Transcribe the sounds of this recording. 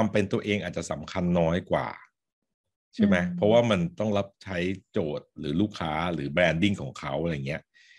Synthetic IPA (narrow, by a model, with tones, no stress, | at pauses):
a˧mpe˧nt̪u˧ɐʔeː˧ŋʔaː˨˩t̪̚t͡ɕa˨˩sa˩˦mkʰa˧nːɔː˦˥jkwa̰ː˨˩ | t͡ɕʰa˥˩ma˦˥jpʰɾɔ˦˥waː˥˩ma˧nt̪ɔ˥˩ŋla˦˥p̚t͡ɕʰa˦˥jt͡ɕoː˨˩t̪̚ɾɯː˩˦luː˥˩kʰːaː˦˥ɾɯː˩˦bɾɛː˧ndi˥˩ŋkʰɔː˩˦ŋkʰa˦˥wʔa˧˩ɾa˧jŋːi˦˥ɐʔ